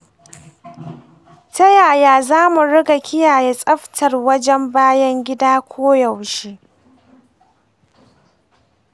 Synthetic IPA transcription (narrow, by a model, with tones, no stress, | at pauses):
tɐ˦jaː˨jaː˨zaː˦mu˨ɽɪ˦ɡa˨kʲʰɪ˦jaː˨je˦sʼɐ˦ɸtʰɐ˨rwɐ˦d͡ʒɛ˦mbaː˦jɐ˦ŋɡʲɪ˦daː˦kʷʰoː˦jɐ˨wʃiː˦ʔ